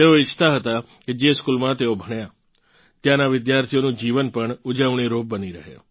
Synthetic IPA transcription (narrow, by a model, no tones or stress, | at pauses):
eːõɪt͡ʃʰt̪aːɦət̪aː | ked͡ʒeːskuːlmãːt̪eːõbʱəɳ̃jaː | t̪jãːnaʋɪd̪jaːɾt̪ʰijõːnũːd͡ʒiːʋənpəɳʊd͡ʒəʋɳ̃iɾoːp̚bəniɾəɦḛː